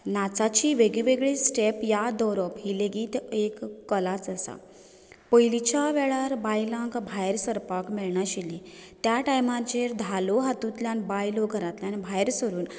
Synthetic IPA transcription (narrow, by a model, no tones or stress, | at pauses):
nat͡sat͡ɕiʋeɡɭiʋeɡɭisʈepjad̪ɔɾɔpɦileɡiːt̪ekːəlat͡səsa̰ | pəjlit͡ɕaʋɛɭaɾbajlãŋkbʱajɾsəɾpakmiɭɳaɕilĩt̪jaʈajmãt͡ɕeɾd̪ʱaloɦat̪ũt̪ljanbajloɡʱəɾat̪ljanbʱajɾsəɾuːn